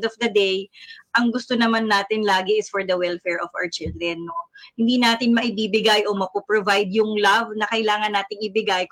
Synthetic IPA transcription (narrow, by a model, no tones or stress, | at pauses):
d̪ɔfd̪ɐd̪ejʔɐŋɡʊst̪onɐmanːaːt̪ɪnlaːɡɪɪsfɔɹd̪ɐwɛlfɛɹɔva̰wət͡ʃɪld̪ɾɛnːohɪnd̪iːnaːt̪ɪnmɐʔɪbiːbɪɡajʔo̞mɐpopɹovajd̪jʊŋlavnɐkɐjlaːŋɐnːaːt̪ɪŋɪbɪɡaj